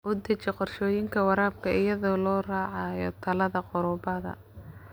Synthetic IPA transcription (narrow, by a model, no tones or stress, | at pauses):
ʔʊd̪ɛt͡ʃɛqɔrʃɔːjɪŋkʰɐwɑɾaːb̚kʰɐɪjɐðɔːlɔːraːʕɑjɔ̰t̪ʰɐlɐðɐqɔɾɔːbɐðɐ̰